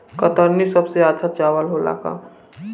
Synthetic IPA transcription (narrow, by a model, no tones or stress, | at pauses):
kət̪əɾnisəbseaːdsʰat͡ʃaːʋəlɦola̰ka̰